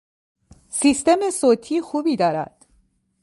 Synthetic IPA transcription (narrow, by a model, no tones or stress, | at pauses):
siːst̪e̞mesoːt̪ʰiːxuːbiːd̪ɒːɾæ̰d̪̥